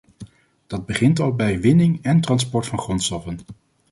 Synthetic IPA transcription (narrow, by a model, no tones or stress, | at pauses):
d̥ɑd̚bəχɪntɑlˠbɛjʋɪnɪŋɛntrɑnspɔɹtfɑnχrɔnstɔfən